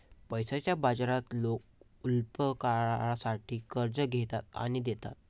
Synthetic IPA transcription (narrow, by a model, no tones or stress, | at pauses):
pəjsat͡ɕjabad͡zɾat̪lok̚ | ulpəkaasaʈʰiːkəɾd͡zəɡʱet̪at̪a̰ɽ̃id̪et̪a̰t̪̚